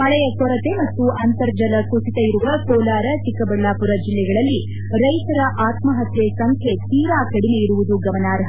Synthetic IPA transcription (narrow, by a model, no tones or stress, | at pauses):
mɐɭɛjɐkɔɾɐt̪e̞mɐt̪ːuʔɐnt̪ɐɾd͡ʒɐlɐkusit̪ɐiɾuʋɐkɔːlaːɾɐt͡ʃikɐbɐɭːaːpuɾɐd͡ʒilːɛɡɐɭɐlːi | ɾɐjt̪ɐɾɐʔaːt̪mɐɦɐt̪jesɐŋkʰe̞t̪iːɾaːkɐɽime̞iɾuʋud̪uɡɐʋɐnaːɾɦɐ